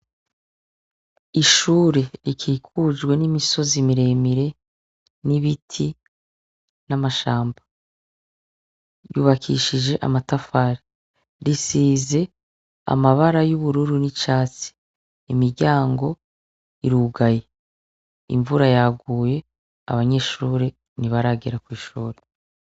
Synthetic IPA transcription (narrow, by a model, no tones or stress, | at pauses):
iʃuːɾe̞ɾikʰiːkʰud͡ʒɡwe̞nimiso̞zimiɾe̞ːmiɾe̞ | niβitʰi | namaʃaːmba | ɾjṵːβakʰḭʃid͡ʒe̞ʔa̰matafaɾi | ɾisiːze̞ | a̰maβaɾajuβuɾuɾunit͡ʃaːt͡si̥ | imiɾɟaːŋɡo̞ | iɾuɡaje̞ | ḭɱvuɾajaɡuːje̞ | a̰βaɲe̞ːʃuːɾe | niβaɾaːɡiɾakwiːʃuːɾe